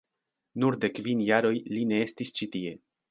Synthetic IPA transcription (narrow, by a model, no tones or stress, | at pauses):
nuɾde̞kvinjaɾo̞jline̞e̞stist͡ʃitie̞